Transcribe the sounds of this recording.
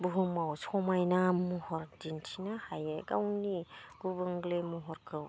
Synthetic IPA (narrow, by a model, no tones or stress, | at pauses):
buɦumawsɔmajnamuhɔɾdintʰinahajeɡawniɡubɯŋɡlemuɦɔɾkʰɯw